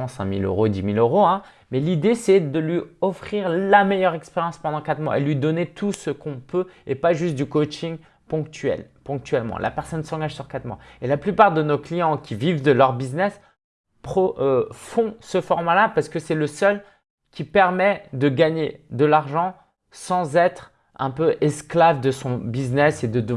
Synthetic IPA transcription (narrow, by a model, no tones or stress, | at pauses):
sɛ̰̃mḭlø̰ʁod̪imiløʁoɛ̃ | mɛlid̪esɛd̪əlɥiɔfχiʁlamɛjœʁɛkspeʁjɑ̃spɑ̃d̪ɑ̃kat̪mwa̰ḛlɥid̪ɔnet̪ʰusəkɔ̃pøepaʒyst̪̚d̪ykot͡ʃiŋ | pɔ̃kt̪ɥɛ̰l | pɔ̃k̚t̪ɥɛlmɑ̰̃lʔa̰pɛʁsɔnsɑ̃ɡaʒsyʁkat̪mwa̰elaplypaʁd̪ənoklijɑ̃kʲivivd̪əlœʁbiznɛs | pχɔʔfɔ̃səfɔʁmalapaʁsə̥kəsɛləsœl | kʲipɛʁmɛd̪əɡaɲed̪əlaʁʒɑ̃ | sɑ̃zɛt̪χ | ɛ̰̃pøʔɛsklavd̪əsɔ̃biznɛsed̪əd̪ə